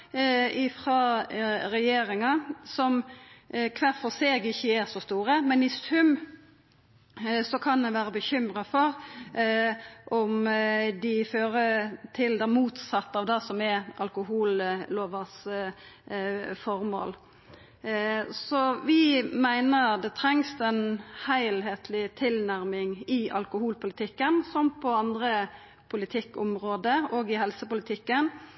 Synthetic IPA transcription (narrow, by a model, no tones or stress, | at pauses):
ɪfʁɑːɾɛjeːɾɪŋɑsɔm | kʰʋæʁfɔseːɡɪçːəɛsɔst̪uːɾəmɛnɪsʉm | sɔkʰɑnd̪ɛʋæːɾəbəçʏmɾɑfɔɾ | ʔɔmd̪ɪføːɾət̪ʰɪld̪ɛmuːt̪sɑt̪ːɑːʋd̪ɛsɔmɛʔɑlkʊɦuːlloːʋəs | fɔɾmo̰ːl | sɔʋɪmæɪnəʁd̪ɛt̪ʰɾɛŋst̪ɛnhæɪlheːt̪ʰlɪt̪ʰɪlnæɾmɪŋɪʔɑ̰lkʊhuːlpʊlɪt̪ʰɪkːənsɔmpʰɔɑnd̪ɾə | pʰʊlɪt̪ʰɪkːɔmʁoːd̪əoːɡɪhɛlsəpʊlət̪ʰɪkːən